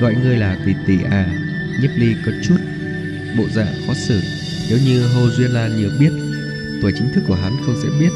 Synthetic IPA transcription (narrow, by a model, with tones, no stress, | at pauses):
ɣɔ̰˧˨jŋɨ˧əjlaː˨˩kwi˨˩t̪i˧˩ʔaː˨˩ | ɲə˦˥p̚li˧kə˨˦t͡ɕu˦˥t̚ | ɓo̰˧˨za̰ː˧˨fɔ˨˦sɨ˧˩ | ne˨˦wɲɨ˧ɦo˧zwi˧ənlaː˧nɲɨ˨˩ək̚ɓi˦˥ət̚ | vɨ˧˩jt͡ɕi˨˦ŋ̟t̪ʰɨ˦˥kːu˧˩əɦa˨˦nxə˧wŋ͡msɛ̰˧˥ɓi˦˥ət̚